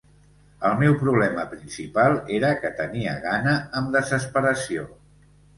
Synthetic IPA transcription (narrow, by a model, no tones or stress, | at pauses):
əlˠmewpɾuβ̞lɛməpɾinsipalˠeɾəkət̪əniə̰ɣanəəmd̪əzəspəɾəsio̰